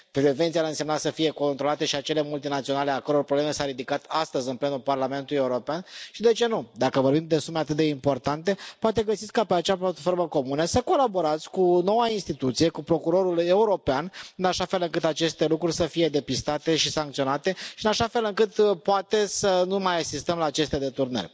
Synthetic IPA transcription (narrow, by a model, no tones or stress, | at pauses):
pɾeve̞nt̪sijaɨnse̞mnat̪səfije̞ko̞nt̪ɾolat̪e̞ʃiat͡ʃe̞le̞mult̪inat̪sio̞nale̞akəɾo̞rpɾobleme̞saɾid̪ikat̪ast̪əzʲɨnple̞nulparlame̞nt̪uluje̞uɾo̞peanʃid̪e̞t͡ʃe̞nud̪akəvo̞rbimd̪e̞sumeat̪ɨt̪̚d̪e̞impo̞rt̪ant̪e̞poat̪e̞ɡəsit̪sʲkapeat͡ʃeaplat̪fo̞rməko̞munəsəko̞labo̞ɾat̪sʲkuno̞wainst̪it̪ut̪sije̞kupɾo̞kuɾo̞ɾule̞uɾo̞peanɨnaʃafe̞lɨŋkɨt̪at͡ʃe̞st̪e̞lukɾurʲsəfije̞d̪e̞pist̪at̪e̞ʃisaŋkt̪sio̞nat̪e̞ʃiɨnaʃafe̞lɨŋkɨt̪poat̪e̞sənumajasist̪əmlaːt͡ʃe̞st̪e̞d̪e̞t̪urnə̰rʲ